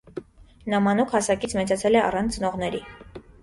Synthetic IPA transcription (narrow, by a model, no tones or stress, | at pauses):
nɑmɑnukʰhɑsɑkit͡sʰmɛt͡sɑt͡sʰɛlɛɑ̰rɑnt͡sʰnɔʁnɛɾi